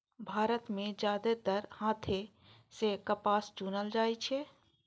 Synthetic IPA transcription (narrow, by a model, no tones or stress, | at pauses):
bʱaːɾət̪mẽd͡ʒjaːd̪et̪əɾhãːt̪ʰe | sekəpaːsd͡ʒuːnəld͡ʒaːit͡ʃʰe